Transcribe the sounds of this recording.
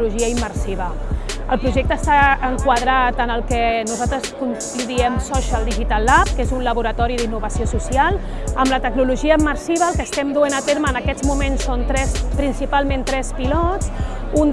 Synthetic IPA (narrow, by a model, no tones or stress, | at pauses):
luʒiəimːəɾsiβə | əlˠpɾuʒɛk̚t̪əːst̪aəŋkwaðɾat̪ənəlˠkənuzalˠt̪ɾəskun | kluðiɛmsɔʃəlˠd̪iʒit̪alˠːap̚kezunləβuɾət̪ɔɾiðinːuβəsiosusialˠ | əmlət̪əɡnuluʒiəimːəɾsiβ̞əːlˠkəst̪ɛmd̪uenət̪eɾməːnəkɛd͡zmumensːont̪ɾɛspɾinsipalˠment̪ɾɛspilɔt͡s | un